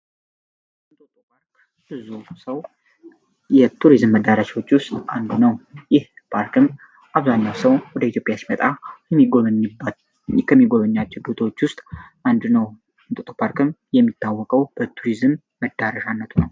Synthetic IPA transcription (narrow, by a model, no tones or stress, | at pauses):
ɨnt̪ʼot̪ʼopʰaɾk | bɨzusəw | jɛt̪ʰuɾizɨmːəd̪aɾaʃwo̞t͡ʃːwʊst̪ʼand̪unəwjɪhpʰaɾkɨm | ʔaβzaɲːawsəwwɔd̪əit̪ʰjo̞pʼjasmət̪ʼajɛmːiɡoɲ | kʰəmːiɡo̞məɲːat͡ʃːɛwd̪ot̪ʰwot͡ʃːwʊst̪ʼand̪nəw | ɨnt̪ot̪ʼopʰaɾkɨmjɛmːit̪ʰːawːɔkʼəwb̥ət̪ʰuɾizɨmːəd̪ːaɾəʃanːət̪ʰunəw